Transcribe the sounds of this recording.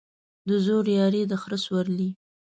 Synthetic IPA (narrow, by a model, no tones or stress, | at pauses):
d̪əzoɾjɑɾed̪əxɾəswaɾli